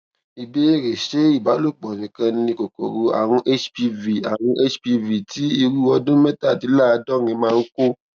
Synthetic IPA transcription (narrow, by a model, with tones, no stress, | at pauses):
i˨be˦e˦ɾe˨ʃe˨˦i˦˨ba˨˦lo˦˨k͡pɔ˨nĩ˨kã˧nĩ˧ko˨ko˨ɾo˧a̰˨w̃ɔ̃˧ʔe˦t͡ʃpi˧vi˨a˨w̃ɔ̃˧ʔe˦t͡ʃpi˧vi˨tʰi˨˦i˧ɾu˦˨ɔ˧dũ˦mɛ˦ta˦˨ti˨˦la˦˨˧dɔ˦˨ɾĩ˧mãː˦˧˦ko˦